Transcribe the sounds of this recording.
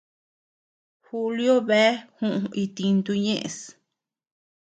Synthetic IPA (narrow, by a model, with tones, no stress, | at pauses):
hu˧ljo˦βe˦hũ˦ʔũ˧i˧t̪ĩ˧nd̪u˧ɲẽ˦ʔḛ̃˨˧s